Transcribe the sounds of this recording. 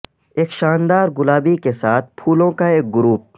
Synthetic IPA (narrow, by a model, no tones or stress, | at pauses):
eːkʃaːnd̪aːɾɡʊlaːbikesaːt̪̚ʰpʰuːlõkaeːk̚ɡʊɾuːp̚